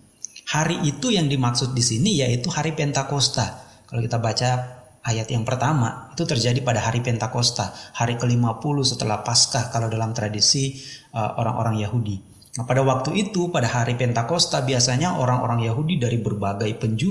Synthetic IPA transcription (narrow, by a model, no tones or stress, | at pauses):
haɾiʔːt̪ujaŋdimaksʊt̪̚disinijait̪uhaɾipɛnt̪akost̪a | kalaowkit̪abat͡ʃa | ʔajat̪jaŋpərt̪ama̰it̪ut̪ərd͡ʒadipadaɦaɾipɛnt̪akost̪ahaɾikəlimapuluhsət̪əlahpaskahkalawdalamt̪ɾadisiəʔo̰ɾa̰ŋʔo̰ɾaŋjaɦudi | napadawak̚t̪uʔit̪upadahaɾipɛnt̪akost̪abiasaɲaʔoɾaŋo̰ɾaŋjaɦudidaɾibərbaɡajpəɲd͡ʒu